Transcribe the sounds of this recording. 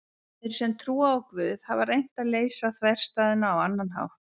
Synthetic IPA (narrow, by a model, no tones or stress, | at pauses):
ɪɾsɛmt̪ʰɾuːaɔkvʏːðhavaɾejn̥t̪aðleːjsaθvɛr̥st̪aːðɪnaːwanːanɦa̰ːw